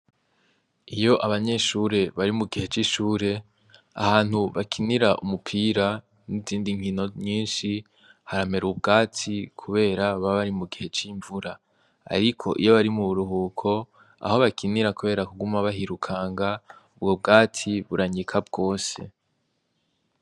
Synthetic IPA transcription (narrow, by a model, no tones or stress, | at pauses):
ijo̞ʔaβaɲe̞ʃuːɾe̞βaɾimuɡihe̞t͡ʃiʃuːɾe̞ | a̰ɦaːn̥huβakʰiniɾaʔumupʰiːɾa | niziːndiŋ̥ino̞ɲiːnʃi | haɾame̞ɾubɡaːtʰikʰuβe̞ːɾaβaβaɾimuɡihe̞t͡ʃiɱvuɾa | a̰ɾikʰo̞̰ʔḭjo̞βaɾimuβuɾuɦuːkʰo̞ | a̰ho̞βakʰiniɾakuβe̞ːɾakuɡumaβaɦiɾukʰaːŋɡaubɡob̚ɡaːtʰiβuɾaɲikʰabɡo̞ːse̞̰